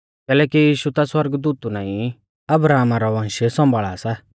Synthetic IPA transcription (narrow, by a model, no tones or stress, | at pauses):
kɛːlɛːkijiːʃut̪aswɐɾɡd̪uːt̪unaːĩ | ɐbɾaːmaɾɔʋãːnʃesɔ̃mbʱaːɭaːsa